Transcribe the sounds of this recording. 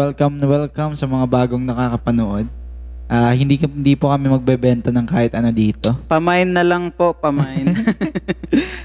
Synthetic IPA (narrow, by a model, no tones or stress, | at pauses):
wɛlkɐmnɐwɛlkɐmsɐmɐŋabaːɡo̞ŋnɐkaːkɐpɐnoʔo̞d̪̚ | ʔaːhɪnd̪ikɪnd̪iːpokɐmɛmɐɡ̚bɛbɛnt̪ɐnɐŋkaːhɪt̪ʔɐno̞d̪iːt̪o̞pɐmajnːɐlɐŋpo̞ʔpɐmajn